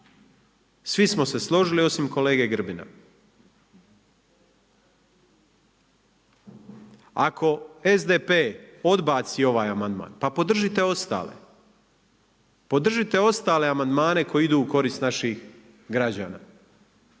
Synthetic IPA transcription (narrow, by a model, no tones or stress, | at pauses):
sʋismo̞seslˠo̞ʒilio̞simko̞le̞ːɡe̞ɡr̩bina̰ | a̰kʰo̞e̞zd̪epeo̞d̪baːt̪sio̞ʋaːjamand̪ma̰ːnpapo̞d̪r̩ʒit̪e̞o̞st̪a̰ːlḛ | po̞d̪r̩ʒit̪e̞o̞st̪aːle̞amand̪maːne̞kʰo̞jiid̪uːko̞ɾist̪naʃix | ɡɾad͡ʑa̰ːna̰ː